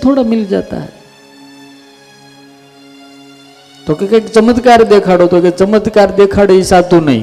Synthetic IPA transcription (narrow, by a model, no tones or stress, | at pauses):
t̪ʰoɽamɪld͡ʒa̰t̪a̰ɦɛ̰ | t̪okekekt͡ʃəmət̪kaɾd̪ekʰaɽot̪oket͡ʃəməd̪kaɾd̪ekʰaɽeisat̪ũnə̰ɦḭ̃